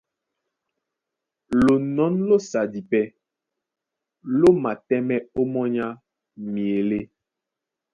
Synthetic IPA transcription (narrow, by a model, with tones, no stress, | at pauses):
lo˨nɔ˨˦nlo˦sa˨di˨pɛ˦ | lo˦ma˨tɛ˦mɛ˦o˦mɔ˦ɲa˦ | mi˨e˨le˦